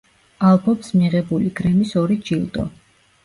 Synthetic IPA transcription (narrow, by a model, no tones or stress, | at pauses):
alˠbɔpsmiʁɛbuliɡɾɛmisɔɾid͡ʒilˠd̪ɔ̰